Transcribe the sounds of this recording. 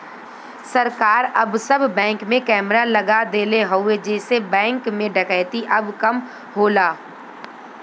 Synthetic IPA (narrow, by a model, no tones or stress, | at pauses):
sɐɾkaːɾɐbsɐbːɛ̃ːŋkmẽkɛːmɾalɐɡad̪eːleɦoːed͡ʒɛːsebɛ̃ːŋkmẽɖʱəkəɪt̪iʔɐbkɐm | ɦoːlaː